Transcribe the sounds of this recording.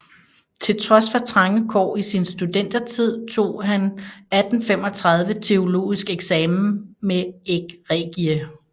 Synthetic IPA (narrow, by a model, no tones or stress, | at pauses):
t͡sʰe̝lt͡sʰʁɒ̽sfɒ̽t͡sʰʁɑ̈ŋəkʰɒ̰ːisinsd̥ud̥en̰d̥ɐt͡sʰið̞̰ˠt͡sʰo̝̰ːɦænæd̥n̩fem̰ɒ̽t͡sʰʁɑ̈ð̞ˠʋət͡sʰe̝o̝lo̝̰ːisɡ̥eɡ̥sɛːm̩meeɡ̥ʁɛɡ̥iə